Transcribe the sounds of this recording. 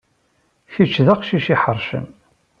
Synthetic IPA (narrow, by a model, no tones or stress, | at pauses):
çit͡ʃːðaqʃiʃiħəɾˤʃə̰n